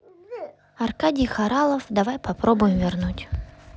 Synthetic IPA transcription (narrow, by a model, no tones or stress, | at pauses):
ɐrkadʲɪjxɐɾalˠəfd̪ɐvajpɐpɾobʊjɪmvʲɪrnutʲ